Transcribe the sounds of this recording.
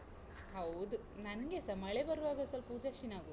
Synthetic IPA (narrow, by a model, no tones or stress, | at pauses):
ɦɐwd̪u | nɐnɡesɐɾmɐɭebɐɾuʋaːɡɐsɐlpuːd͡ʒaʃinaːɡo